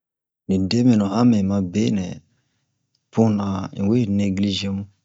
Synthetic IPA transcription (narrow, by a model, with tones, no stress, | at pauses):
nĩ˨de˦mĩ˨nɔ̃˨hã˦mɛ̃˨mã˨be˦nɛ̰̃˨ | pũ˦nã˨ḭ̃˨we˦˨ne˦ɡli˦ʒẽ˦mũ˦